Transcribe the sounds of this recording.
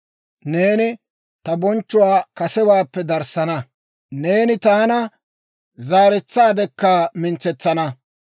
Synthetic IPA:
ne̞ːnɪ | t̪ɐbɔnt͡ʃːʊwaːkɐsɛwaːpːɛd̪ɐɾsɐnɐ | ne̞ːnɪt̪aːnɐ | zaːɾɛt͡sːaːd̪ɛkːaːmɪnt͡sːɛt͡sːɐnɐ

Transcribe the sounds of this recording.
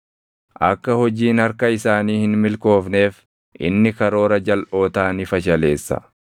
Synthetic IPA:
ʔɐkːɐhɔd͡ʒiːnɐɾkɐɪsaːniːhɪnmɪlko̞ːfne̞ːf | ʔɪ̰nːɪkɐɾo̞ːɾɐd͡ʒɐlʔo̞ːt̪aːnɪfɐʃɐle̞ːsːɐ̰

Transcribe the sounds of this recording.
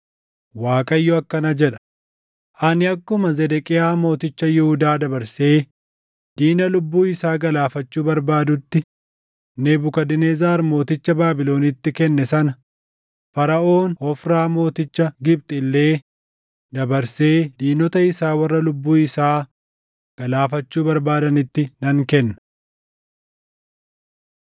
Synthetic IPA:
waːkʼɐjːɔɐkːɐnɐd͡ʒɛᶑɐ̥ | ʔɐnɪɐkːʊmɐzɛd̪ɛkʼɪjaːmo̞ːt̪ɪt͡ʃːɐjɪhʊd̪aːd̪ɐbɐɾse̞ː | d̪̥iːnɐlʊbːuːɪsaːɡɐlaːfɐt͡ʃːuːbɐɾbaːd̪ʊt̪ːɪ | nebʊkɐd̪ɪneːzaːɾmo̞ːt̪ɪt͡ʃːɐbaːbɪlo̞ːnɪt̪ːɪkɛnːɛsɐnɐ | fɐɾɐʔo̞ːnhɔfɾaːmo̞ːt̪ɪt͡ʃːɐɡɪb̚t̪ʼɪlːe̞ː | d̪ɐbɐɾse̞ːd̪iːnɔt̪ɐɪsaːwɐrːɐlʊbːuːɪsaː | ɡ̥ɐlaːfɐt͡ʃːuːbɐɾbaːd̪ɐnɪt̪ːɪnɐŋkɛnːɐ̥

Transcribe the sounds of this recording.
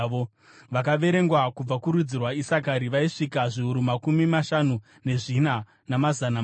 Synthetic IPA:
ʋo | ʋakaʋe̞ɾe̞ŋɡwakub͡vakuɾud͡zirwaisak̬aɾiʋaiʂikaʐiuɾumakumimaʃanu | ne̞ʐina | namazana

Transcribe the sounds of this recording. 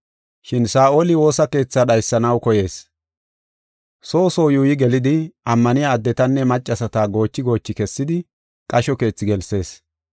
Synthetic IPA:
ʃɪnsaːʔolɪwo̞ːsɐke̞ːt͡sːaɗɐjsːɐnɐwkɔje̞ːs | so̞ːso̞ːjuːjɪɡɛlɪd̪ɪʔɐmːɐnɪjaːd̪ːɛt̪ɐnːɛmɐt͡ʃʼːɐsɐt̪aːɡo̞ːt͡ʃːɪɡo̞ːt͡ʃːɪkɛsːɪd̪ɪ | kʼɐʃɔke̞ːt͡sːɪɡɛlse̞ːs

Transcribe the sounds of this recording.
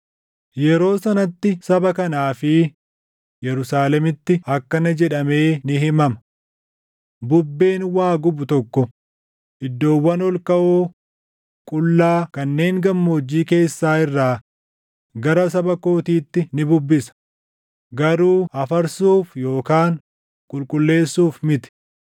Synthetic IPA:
jɛɾo̞ːsɐnɐt̪ːɪsɐbɐkɐnaːfɪ | jɛɾʊsaːlɛmɪt̪ːɪɐkːɐnɪd͡ʒɛᶑɐme̞ːnɪɦɪmɐmɐ̥ | bʊbːe̞ːnwaːɡʊbʊt̪ɔkːɔ | ʔɪd̪ːo̞ːwːɐnɔlkɐʔo | kʼʊlːaːkɐnːe̞ːŋɡɐmːoːd͡ʒːiːke̞ːsːaːɪrːaː | ɡɐɾɐs̬ɐbɐko̞ːt̪iːt̪ːɪnɪbʊbːɪsɐ̥ | ɡɐɾuːɐfɐɾsuːfjo̞ːkaːŋ | kʼʊlkʼʊlːe̞ːsːuːfmɪt̪ɪ̥

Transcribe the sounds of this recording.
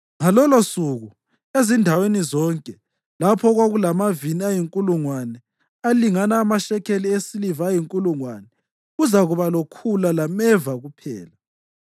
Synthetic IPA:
ŋalɔlosuɣu | ezindʱawenizɔŋkʼɛ | lapʰɔɣwaɣulamaviniajiŋkʼuluŋwanɛ | aliŋanaːmaʃɛkʰeliesilivaːjiŋkʼuluŋwanɛ | ɣuzaɣuβalokʰulalamɛvaɣupʰɛ̰ːla

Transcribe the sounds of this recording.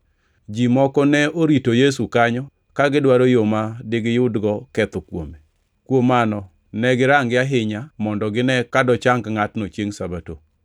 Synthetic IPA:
d͡ʒimɔkɔnɛoɾitojes̬ukaɲɔ | kaɡɪdwaɾojomadɪɡɪjʊdɡɔkɛt̪ɔkwo̰me | kwomanɔ | nɛɡɪɾaŋɡɪaɦɪɲamɔndɔɡɪnɛkadɔt͡ʃaŋkŋatnot͡ʃjeŋsabato̰

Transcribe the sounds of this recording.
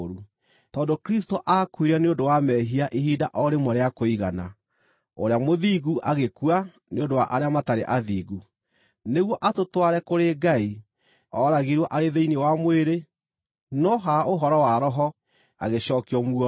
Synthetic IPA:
ɾu | tɔːndokɾistoʔakuiɾɛneondowamɛɦiaʔeɦiːdaʔɔɾemɔɾeakoiɣana̰ | o̰ɾeamoðiːɣuʔaɣekua | neondowaʔaɾeamataɾḛʔaðiːɣu | neɣwɔʔatotwaɾɛkoɾeɡai | ɔɾaɣiɾwɔʔaɾeðeinewamweɾe | nɔɦaoɦɔɾɔwaɾɔɦɔ | a̰ɣeɕɔːkiɔmuɔ

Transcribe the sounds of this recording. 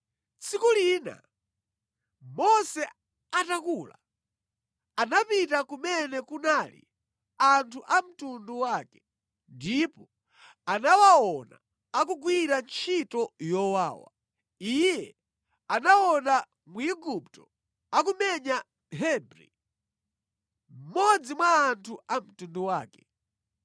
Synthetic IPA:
t͡sikuliːna̰ | mɔsɛ | atakula̰ | anapitakumɛnɛkunalḭ | antʰuʔam̩tunduwaːkɛ | ndipɔ | anawaɔna̰ | akuɡwiɾant͡ʃʰitɔjɔwa̰ːwa̰ | ijɛ | anawɔna | muiɡup̚tɔ | akumɛɲa | ɦɛbɾḭ | m̩mɔd͡zimwaːntʰuʔam̩tunduwaːkɛ̥

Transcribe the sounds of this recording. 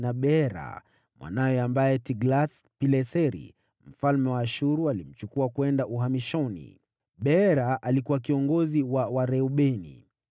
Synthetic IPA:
naɓɛɾa̰ | mwʔa̰najɛambajɛtiɡlaθ | pilɛsɛɾḭ | m̩falmɛwaːʃuɾualim̩t͡ʃukuakwɛndaʔuɦamiʃɔnḭ | ɓɛɾaʔalikuwakiɔŋɡɔziwawaɾɛuɓɛnḭ

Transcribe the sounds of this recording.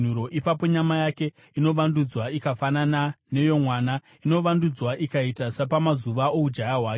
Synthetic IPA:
uɾo̞ʔipapo̞ɲamajake̞ | ino̞ʋandud͡zwaikafananane̞jo̞mwana | ino̞ʋandud͡zwaʔikaitasapamazuʋaoud͡ʒajaɦwaːk

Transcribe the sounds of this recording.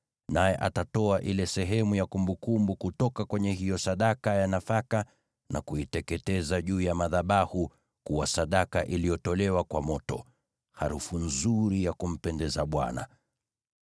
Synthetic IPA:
najɛʔa̰tatɔaʔilɛsɛɦɛmujakumbukumbukutɔkakwɛɲɛɦijɔsaɗakajanafaka | na̰kuitɛkɛtɛzaʄuːjamaðaɓahu | kuwasaɗakaʔilijɔtɔlɛwakwamɔtɔ̰ | ha̰ɾufun̩zuɾijakum̩pɛndɛzaɓwa̰na̰

